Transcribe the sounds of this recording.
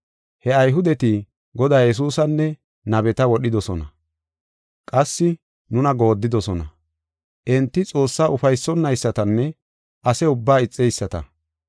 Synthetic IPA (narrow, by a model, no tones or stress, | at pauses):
hɛɐjɦʊd̪ɛt̪i | ɡɔd̪aːjɛs̬uːsɐnːɛ | nɐbɛt̪ɐwɔɗɪd̪ɔsɔnɐ | kʼɐsːɪ | nʊnɐɡo̞ːd̪ːɪd̪ɔsɔnɐ̰ | ʔɛnt̪ːɪt͡sʼo̞ːsːaːʔʊfɐjsːɔnːɐjsːɐt̪ɐnːɛ | ʔɐsɛʊbːaːɪt͡sʼːɛjsːɐt̪ɐ̰